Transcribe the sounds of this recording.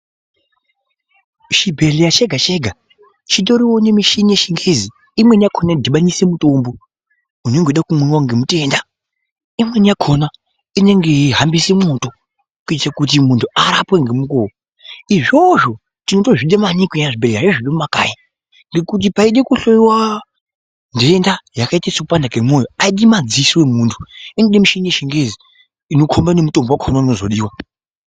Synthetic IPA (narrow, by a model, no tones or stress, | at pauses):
ʃibʱe̞lejat͡ʃe̞ɡʱat͡ʃe̞ɡʱa | t͡ʃit̬o̞ɾiwone̞miʃinieʃiŋɡezi | imwe̞niakʰonadʱiɓanise̞muto̞mbo̞ | uneŋɡoɗakumweŋwaŋɡemute̞nda | imwe̞nijakʰona | ine̞ŋɡe̞ɦambisemoto̞ | kuitt͡ʃakut̬imuntʰuaɾapweŋɡe̞muko | iʐo̞ʐo̞ | tino̞to̞ʐiɗemanikwiaʐibeɾeɡaʐeʐiɗemumaka̰ːji | ŋɡe̞kut̬ipaiɗekuɬoiwa | ndendajakaitaisakupandakemo̞joaiɗimad͡ziswe̞muːntʰu̥inoɗemuʃenieʃeŋɡe̞zi | ino̞kʰombanemutombowakʰonauno̞zo̞ɗiːwa